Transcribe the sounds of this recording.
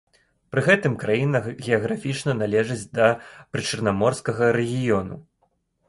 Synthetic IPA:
pɾɨɣɛt̪ɨmkɾajinɐɣʲɛɐɣɾafʲit͡ʂnɐnalʲɛʐɨd͡zʲd̪ɐpɾɨt͡ʂɐrnamɔrskɐɣɐɾɛɣʲijɔnṵ

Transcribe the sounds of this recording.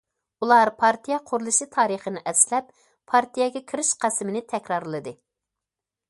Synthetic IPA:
ulˠɑɾpʰɑɾt̪ijɛqʰʊɾulˠɨʃɨt̪ʰɑːɾəχənɪʔɛslɛpːʰ | ɑɾt̪ʰijɛɡʲɛkʲʰiɾɪʃqʰæsmɪnɪt̪ʰɛkʲɾɑɾlˠɨd̪ɨ

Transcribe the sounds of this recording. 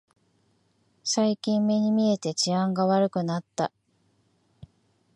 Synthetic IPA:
saikʲĩmmːe̞ɲ̟imʲie̞t̪e̞t͡ɕiãŋɡaβaɾɯ̟kɯ̟nat̪ːa

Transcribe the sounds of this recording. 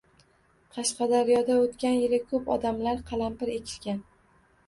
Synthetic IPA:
qʰɑʃqɑd̪aɾjɒd̪aot̪kʲanjeɾɪkʰɵpɒ̰d̪amlaɾqʰɑlˠampɪɾe̞kʲʰɪ̥ʃkʲan

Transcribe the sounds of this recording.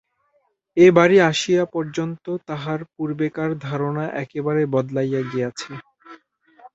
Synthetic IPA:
ebaɾiaʃijapɔɾd͡ʑont̪ot̪aɦaɾp̚uɾbekaɾd̪ʱaɾonaʔɛkebaɾebɔd̪lajaɡejat͡ɕʰe

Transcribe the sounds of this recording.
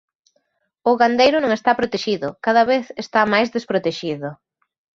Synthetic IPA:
ʊɣand̪ejɾʊnõŋest̪apɾot̪eʃiðʊkaðɐβeθest̪amajzðespɾot̪eʃiðʊ

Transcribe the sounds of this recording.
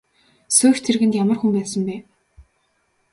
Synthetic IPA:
sɵːxt̪ʰerɣɘ̆nt̪jamə̆rxumpæːsə̆mpæː

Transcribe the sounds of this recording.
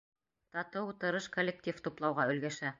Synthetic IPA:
t̪ɑt̪ɤwut̪ɤ̆ɾɤʃkolʲːek̚tʲift̪uplˠɑwʁɑɵ̆lɡæʃæ

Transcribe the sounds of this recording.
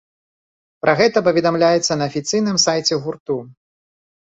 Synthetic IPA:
pɾʔɐɣɛt̪ɐp̬ɐvʲɛd̪amlʲajɛt̪sːɐnɐːfʲit̪sɨjnɨmsajt͡sʲɛɣurt̪u

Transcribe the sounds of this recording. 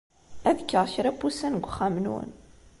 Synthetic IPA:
æðəkːəʁçɾæbusænɡʷχːæmnwə̰n

